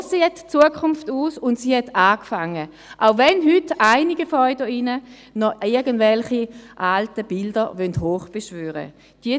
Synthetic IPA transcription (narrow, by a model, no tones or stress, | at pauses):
seɛtt͡suəkʰʊmftuːsʊntsiːhɛtʰaːkfaŋːə | ʔaʊvɛnɦʏtaɪniɡəfɔʏdəinə | nɔɪɐɡəndvɛlχiʔaltəb̥ɪldɐʋœnthoːχb̥ɛʃvøːʁə̰ | d̥i